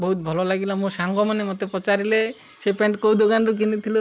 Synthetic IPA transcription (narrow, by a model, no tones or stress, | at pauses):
bɔɦut̪̚bʱɔlɔlaɡilamũsaŋɡɔmanemot̪epɾɔt͡ʃaɾile | sepeɳʈkowd̪okanɾuk̬init̪ʰilo